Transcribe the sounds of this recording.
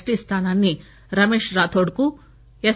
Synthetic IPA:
sʈist̪ʰaːnanːi | ɾɐmeːʃɾaːt̪ʰoɽku | e

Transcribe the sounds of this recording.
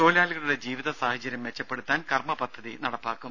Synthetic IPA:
o̞ːlaːliɣɐɭuɽe̞d͡ʑiːʋiðɐsaːhɐt͡ɕːɐɾjɐmʋet͡ɕːɐpːe̞ɽut̪ːaːnkɐrmɐpɐd̪ʱːɐðinɐɽɐpːaːkːum

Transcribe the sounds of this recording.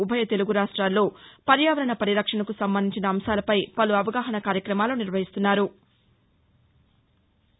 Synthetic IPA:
ubʱɐjɐt̪e̞luɡuɾaːʂʈɾaːlːo̞ːpɐɾjaːʋɐɾɐɳɐpɐɾiɾɐkʂɐɳɐkusɐmbɐnd̪ʱiɲt͡ʃinɐːmsaːlɐpɐjpɐluɐʋɐɡaːɦɐɳɐkaːɾjɐkɾɐmaːluniɾʋɐɦist̪unːaːɾu

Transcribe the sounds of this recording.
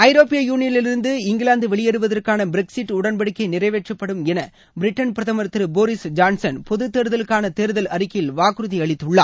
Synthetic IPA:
ɐɪɾoːpɪjɐjuːnɪjɐnlɪlɪɾɯnd̪ɯɪŋɡɪɭaːnd̪ɯʋɛɭɪjɐɾɯʋɐðɐrkaːnɐbɪɾɛksɪʈːʊɽɐnbɐɽɯkːɐɪnɪrɐɪʋeːʈrɐpːɐɽɯmɛnɐ | bɪɾɪʈːɐnpɪɾɐðɐmɐɾt̪ɪɾɯboːɾɪsd͡ʒaːnsɐnpɔðɯt̪ːeːɾɯðɐlɯkːaːnɐt̪eːɾɯðɐlɐɾɪkːɪlʋaːkɾɯðiɐɭɪt̪ːɯɭːa̰ː

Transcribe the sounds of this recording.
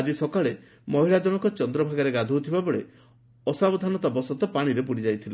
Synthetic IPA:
d͡ʒisɔkaɭe | mɔɦiɭad͡ʒɔɽ̃ɔkɔt͡ʃɔnd̪ɾɔbʱaɡaɾeɡad̪ʱut̪ʰibabɔɭe | ɔsabɔd̪ʱanɔt̪abɔsɔt̪ɔpaɽ̃iɾepuɽid͡ʒajt̪ʰile

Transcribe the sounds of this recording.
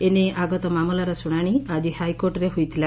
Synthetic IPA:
eneaɡɔt̪ɔmamɔlaɾɔsuɽ̃aɽ̃iad͡ʒihajkoɾʈɔɾeɦujt̪ʰila

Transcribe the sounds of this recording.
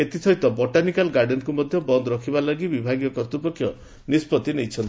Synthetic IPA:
et̪it̪ʰɔjt̪ɔbɔʈanikalɡaɾɖenkumɔd̪ʱjɔbɔnd̪ɔɾɔkʰibalɔɡibibʱaɡjɔkɔɾt̪upɔkʰːjɔ | nispɔt̪inejt͡ʃʰɔnt̪i

